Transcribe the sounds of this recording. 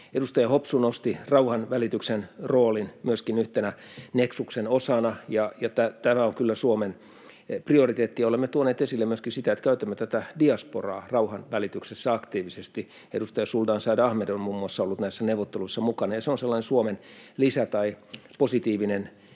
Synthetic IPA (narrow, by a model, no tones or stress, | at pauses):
edust̪ɑjɑhopsunost̪irɑuhɑnʋælit̪yksenroːlinmyøskinyht̪enæ | neksuksenosɑnɑjɑjɑt̪æt̪æmæoŋkylːæsuomen | priorit̪eːt̪ːijɑolemːet̪uoneːt̪esilːemmyøskinsit̪æet̪kæyt̪æmːøt̪æt̪ædiɑsporɑ̰ːrɑuhɑnʋælit̪yksesːæɑkt̪iːʋisest̪i | ḛdust̪ɑjɑsuld̪ɑːnsɑːdɑhmedonmuːmːuɑsːɑolːut̪næisːæneuʋˑot̪ːeluisːɑmukɑnɑjɑseonselːɑinesuomenlisæt̪ɑiposit̪iːʋinen